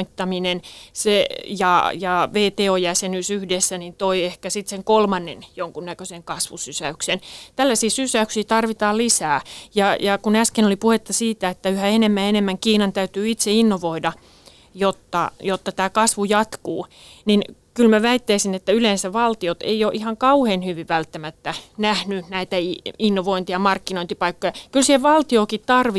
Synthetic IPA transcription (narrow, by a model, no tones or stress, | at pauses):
t̪ːɑminensejɑjɑʋeːt̪eːojæsenysyhdesːænint̪oiehkæsit̪seŋkolmɑnːḛnjoŋkunnækøseŋkɑsʋusysæyksent̪ælːæsiːsysæyksiːt̪ɑrʋit̪ɑːlisæːjɑjɑkunæskenolipuhet̪ːɑsiːt̪æet̪ːæyhæenemːæenemːæŋkiːnɑnt̪æyt̪yːit̪seinːoʋoidɑ | jot̪ːɑ̰jot̪ːɑt̪æːkɑsʋujɑt̪kuː | ninkylmæʋæit̪ːæisinet̪ːæylensæʋʋɑlt̪iot̪ḛioːʔihɑŋkɑuheːnhyʋiʋʋælt̪ːæmæt̪ːænæhnynæit̪æinːoʋoint̪ijɑmɑrkːinoint̪ipɑikːojɑkylsiheʋɑlt̪ioːkitt̪ɑrʋi